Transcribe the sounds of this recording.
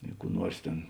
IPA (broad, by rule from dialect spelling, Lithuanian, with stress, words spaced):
ɪ kuː ˈnuɔrs ˈtʲeːn